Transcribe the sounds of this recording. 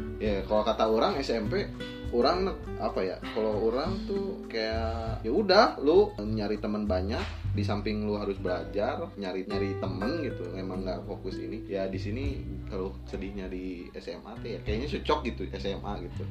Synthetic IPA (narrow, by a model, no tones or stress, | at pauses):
jakalokat̪aoɾaŋɛsɛmpe | oɾaŋn | apaja̰kalooɾaŋt̪ukajajaudahluɲaɾit̪əmənbaɲak̚disampɪŋluɦaɾʊsbəlad͡ʒarɲaɾiɲaɾit̪əmənɡit̪uemaŋɡaʔfokʊsḭnijadisinikalosədɪhɲadi | ɛsɛma̰t̪ejakajaiɲasut͡ʃɔk̚ɡit̪uɛsɛmʔaɡit̪u